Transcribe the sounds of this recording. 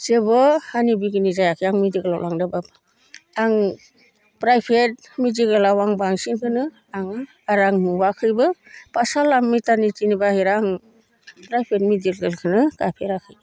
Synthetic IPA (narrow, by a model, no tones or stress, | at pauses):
sebɯhanibiɡinizajakʰiaŋmidiɡɯlawlaŋdaba | aŋ | pɾajpʰet̚ | midiɡɯlawaŋbaŋsinkʰɯnɯ | aŋ | aɾaŋmuwakʰɯjbɯpasalamːitanitinibahiɾaŋ | pɾajpʰetmidilɡɯlkʰɯnɯkapʰeɾakʰɯj